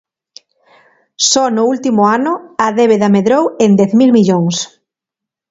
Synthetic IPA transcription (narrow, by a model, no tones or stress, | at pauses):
sɔnʊult̪imʊanʊaðeβeðameðɾowend̪ɛθmilmiʎoŋs